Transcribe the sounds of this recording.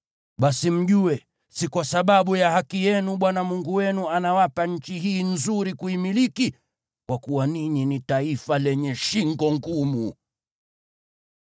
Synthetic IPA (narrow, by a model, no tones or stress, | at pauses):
ɓasim̩ʄuɛ | sikwasaɓaɓujahakijɛnuɓwanamuŋɡuwɛnuanawapaɲ̩t͡ʃiɦiːn̩zuɾikuimiliki | kwakuwaniɲinitaifalɛɲɛʃiŋɡɔŋɡumu